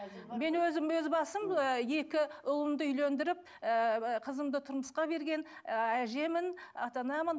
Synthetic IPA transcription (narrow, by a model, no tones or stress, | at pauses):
me̞nwɵzɪmwɵzbɑsəməje̞kʲɪʊlˠəmd̪əʏjlend̪ɪɾɪp̚ | qʰəzəmd̪ət̪ʰʊɾməsqɑbe̞ɾɡʲe̞næʒe̞mɪnɑt̪ɑnɑmən